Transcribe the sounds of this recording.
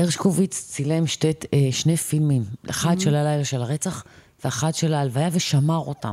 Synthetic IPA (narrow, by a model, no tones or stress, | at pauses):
eʁʃkovit͡st͡silemʃteʃnefilmima̰χadʃelalajlaʃelaʁet͡saχ | veaχadʃelaːlvajaveʃamaʁo̰ta̰m